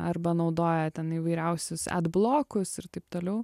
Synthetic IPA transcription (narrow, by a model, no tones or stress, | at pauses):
ɐɾbɐnɐʊd̪oːjɛt̪ʲɛniːʋɐɪɾʲɛʊsʲʊsæ̰d̪blˠoːkʊsɪɾt̪ɐɪpt̪oːlʲɛʊ